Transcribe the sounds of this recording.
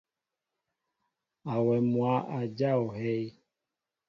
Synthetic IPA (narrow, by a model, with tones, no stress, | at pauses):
a˨wɛ˨mwa˨˦ʔa˨d͡ʒa˦˨ɔ˨ɦɛ˦j